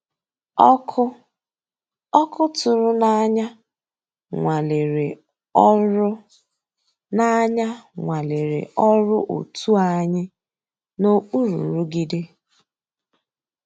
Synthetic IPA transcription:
kʰʊ˦ | ɔ˦kʊ˦tʊ˨ɾʊ˦na˦ɲa˦ | ŋʷa˨le˨ɾe˨˦ | na˦ɲa˦ŋʷa˨le˨ɾḛ˨ɔ˦ɾʊ˦ʔo̰˨tʰu˦a˦ɲɪ˦ | no˦u˦ɾṵ˨ɾu˦ɡi˦dɪ˦

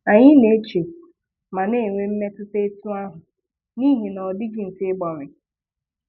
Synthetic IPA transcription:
a˨ɲɪ˦ne˨˦e˦t͡ʃe˨ | ma˨ne˦˨ŋʷe˦m̩˦me˦tʊ˦te˦e˦tu˦a˦ɦʊ˨ | ni˦ɦe˨nɔ˨dɪ˦ɡɪ˨n̩˨tɪ˦ɡ͡bɔ˨ɾɪ˨

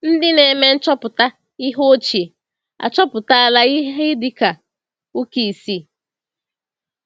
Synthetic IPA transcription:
n̩˦dɪ˦ne˨me˦n̩˦t͡ʃɔ˦pʊ˨ta˦ | i˦ɦo˦t͡ʃi˨ | a̰˨t͡ʃɔ˦pʊ˨ta˦a˦la˦i˦ɦe˦dɪ˨ka˨ | u˦ki˨i˨si˦˨

